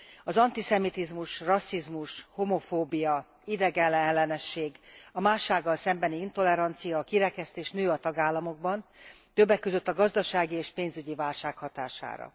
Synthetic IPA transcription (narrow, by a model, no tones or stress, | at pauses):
ɒzɒnt̪isɛmit̪izmuʃrɒsːizmuʃhomo̞foːbijɒ | id̪ɛɡɛlːɛɛlːɛnɛʃːeːɡɒmaːʃaːɡːɒlsɛmbɛniint̪o̞lɛɾɒnt̪sijɒːkiɾɛkɛst̪eːʃnøːɒt̪ɒɡaːlːɒmo̞ɡ̚bɒnt̪ø̞bːɛkːøzøt̪ːɒɡɒzd̪ɒʃaːɡieːʃpeːnzyɟivaːlʃaːkhɒt̪a̰ːʃa̰ːɾɒ̰